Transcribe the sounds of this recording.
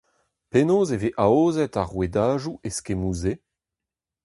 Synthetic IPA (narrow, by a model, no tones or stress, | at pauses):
penoːzeveʔaoːzɛtaʁwedaːʒuʔeskemuːze